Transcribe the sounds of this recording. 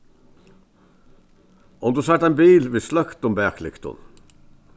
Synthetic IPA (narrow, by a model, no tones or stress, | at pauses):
ʔɔmd̪ʉːsɑʈ̪æːnbiːlʋɪːslɑkt̪ʊmbæːkʰlɪ̰kt̪ʰʊ̰n